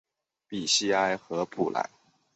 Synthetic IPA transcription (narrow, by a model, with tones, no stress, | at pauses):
pi˨˩ɕi˥a˥ɪxɤ˧˥pʰṵ˨˩la̰˧˥ɪ